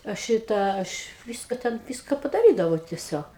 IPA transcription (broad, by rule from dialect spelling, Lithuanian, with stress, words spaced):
ɐ ˈʃʲɪtɑː ˈɐʃ ˈʋʲiːskɐ ˈtʲɛn ˈʋʲiːskɐ pɐdɐˈrʲiːdɐʋɐʊ tʲɛˈsʲoːk